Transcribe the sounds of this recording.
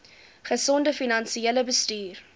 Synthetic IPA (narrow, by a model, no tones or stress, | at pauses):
χəsɔndəfinɐnsieləbəstyːr